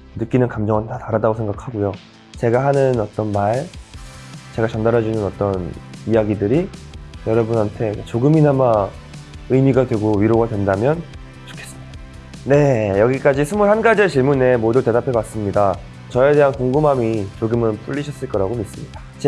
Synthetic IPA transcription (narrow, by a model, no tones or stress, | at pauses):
nɯk͈inɯnkamd͡ʑʌŋɯntataɾadaɡosʰe̞ŋɡakʰaɡojo | t͡ɕe̞ɡahanɯnʌt͈ʌnmaɭ | t͡ɕe̞ɡat͡ɕʌndaɾʌd͡ʑunɯnʌt͈ʌnijaɡidɯɾijʌɾʌbunɦantʰe̞kt͡ɕoɡɯminama | ɯmiɡadwe̞ɡoɥiɾoɡadwe̞ndamjʌn | t͡ɕo̥kʰes͈ɯ̥mɲid̥aa | ne̞jʌɡik͈ad͡ʑisʰumuɭhanɡad͡ʑiet͡ɕiɭmune̞modute̞dapʰe̞bas͈ɯmɲida | t͡ɕʌe̞de̞ɦankoŋɡɯmɦamit͡ɕoɡɯmɯnp͈uʎːiɕʰʌs͈ɯɭk͈ʌɾaɡomis͈ɯmɲidḁt͡ɕe